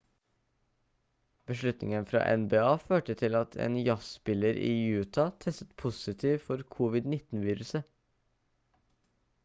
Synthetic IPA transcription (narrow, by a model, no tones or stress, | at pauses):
b̥əʃlʉt̪nɪ̰ŋənfɾɑ̰ːʔɛnbeːɑːføːʈət̪ʰɪlɑt̪ʰḛːnjɑsspɪləɾḭːjʉːt̪ʰɑt̪ʰɛst̪ə̥t̪pʰʊsɪt̪ʰiːʋfɔɾkʰuːʋɪd̪nɪt̪n̩ʋiːɾʉsə